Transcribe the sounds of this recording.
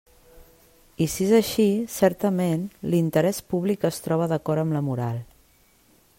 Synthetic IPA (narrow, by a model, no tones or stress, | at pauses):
isiezəʃisɛɾt̪əmenlint̪əɾɛspuβlikəst̪ɾɔβ̞əðəkɔɾəmləmuɾa̰lˠ